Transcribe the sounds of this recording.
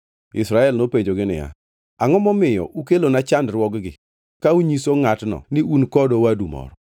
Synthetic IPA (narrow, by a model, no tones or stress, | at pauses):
ɪ̰sɾaɛlnopeɲd͡ʒoɡɪnɪ̰ja̰ | aŋɔmɔmɪjɔ̰ʔukelonat͡ʃandrwɔɡɡɪ | kauɲisoŋatnɔ̰nɪunkɔdowadumɔ̰ɾɔ